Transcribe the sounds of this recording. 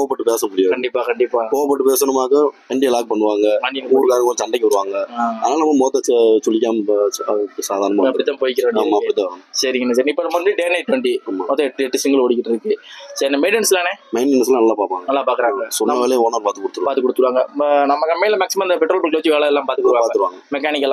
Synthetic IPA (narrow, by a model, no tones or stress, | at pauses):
koːʋɐpːɐʈːɯpeːsɐmʊɽɪjaːkɐɳɖɪpːaːkɐɳɖɪpːaːkoːʋɐp̬ːɐʈːɯpeːsɐnɐmaːɣɐ̃ɐɳɖɪjɐlaːk̚pɐɳːɯʋaːŋɡɐmɐnːɪnuːɾkaːɾɐŋɡɐɭt͡ʃɐɳɖɐkːɪʋɐɾɯʋaːŋɡɐaɐðɐnaːlɐnɐmːɐmoːt̪ːɐt͡ʃt͡ʃɔlːɪk̬ːaːmɐsaːðaːɾnɐmaːɐpɐɽɪt̪ːaːpoːjɪk̬ːɪɾɐʋaːmaːɐpɐɽɪt̪ːãːɐsɐɾɪŋɡɐnːes̬aːɾɪŋɪpːɐnɐmɐnd̪ɯɖeːnɐɪʈːʋɐɳʈiaːmaoːt̪ɐ̃ɛʈːɛʈːɯsɪŋɡɐlɔɽɪk̬ːɪʈːɐɾɯkːɯsɐɾnɐmeːɖɛnslaneːmɐɪnɪns̬lãnɐlːãːpaːɾpʋaːŋɡɐɐlːaːpaːkɯɾaːŋɡɐsɔnːɐʋeːlɐjoːnɐɾpaːt̪ɯkɔɽɯt̪ːɯʋːpaːɾt̪ːɯkːɔɽɯt̪ːɯɾɯʋaːŋɡɐnɐmːɐkɐmːɛjɪlɐmaːksɪmɐ̃mnɐpɛʈːɾoːlpɐlkloːt͡ʃːkaːlɐlːaːpaːt̪ɯkɔɾʋaːpːt̪ɯɾɯʋaːŋɡɐmɛkːaːnɪk̬ːɛlːã